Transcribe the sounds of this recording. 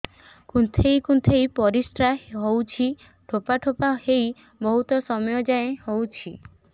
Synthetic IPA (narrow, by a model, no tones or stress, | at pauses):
kunt̪ʰejkunt̪ʰejpɔɾisʈɾaɦɦowt͡ʃʰi | ʈʰopaʈʰopaɦej | bɔɦut̪ɔsɔmɔjɔd͡ʒaẽhowt͡ʃʰi